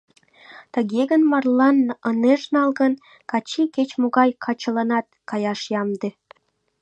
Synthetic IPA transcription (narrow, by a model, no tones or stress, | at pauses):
t̪əɣeɣənmɑrlɑnəneʃnɑlɣən | kɑt͡ɕiket͡ɕmoɣɑjkʰɑt͡ɕəlɑnɑt̪kɑjɑʃjɑmd̪e